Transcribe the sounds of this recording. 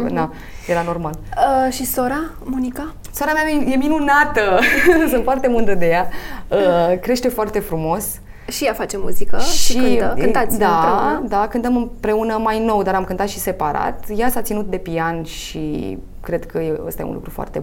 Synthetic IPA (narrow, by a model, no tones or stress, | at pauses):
d̪a | jeɾano̞rmaləʃisoɾa | munika | soɾamaeje̞minunat̪əsɨnt̪foart̪e̞mɨnd̪ɾəd̪e̞jaəkɾe̞ʃt̪e̞foart̪e̞fɾumo̞s | ʃijafat͡ʃemṵzikəʃiikɨnkɨnt̪at̪sʲd̪aed̪akɨnt̪əmɨmpɾe̞unəmajno̞wd̪aɾamkɨnt̪at̪ʃise̞paɾa̰t̪jasat̪sinut̪̚d̪e̞pianʃḭ | kɾe̞d̪kʰəjeə̰st̪ajḛṵnlṵkɾufoa̰rt̪e